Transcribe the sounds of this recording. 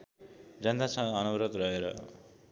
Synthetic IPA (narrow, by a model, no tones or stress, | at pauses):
d͡zʌnd̪ʱasʌ̃ŋɡʌʌnʌwɾʌt̪rʌɦeɾʌ̰